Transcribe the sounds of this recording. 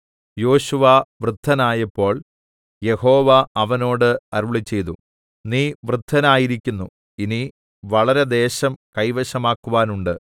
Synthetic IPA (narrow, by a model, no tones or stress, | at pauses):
jo̞ːɕuʋɐʋrɨd̪ʱːɐnaːjɐpːo̞ːɭ | je̞ho̞ːʋɐɐʋɐno̞ːɽɨɐɾuɭit͡ɕːe̞jt̪u | niːʋrɨd̪ʱːɐnaːjiɾikʲːunːu | ini | ʋɐɭɐɾe̞d̪e̞ːɕɐmkɐjʋɐɕɐmaːkːuʋaːnuɳɖɨ